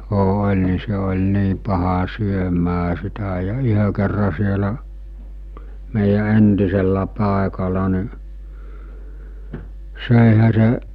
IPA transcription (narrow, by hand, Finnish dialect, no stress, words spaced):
olʲ ni se olʲ niː pɑhɑ syømæː sitæ jɑ yhø kerːɑ sielæ meˑijæ entiselːæ pɑˑekɑlɑ ni søˑihæ seʔ